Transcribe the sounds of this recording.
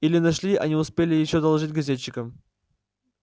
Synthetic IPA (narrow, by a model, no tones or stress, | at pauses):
ilʲɪnɐʂlʲiʔɐ̰nʲiʊspʲelʲɪjɪɕːod̪ɐlˠʐɨtʲɡɐzʲet͡ɕːɪkəm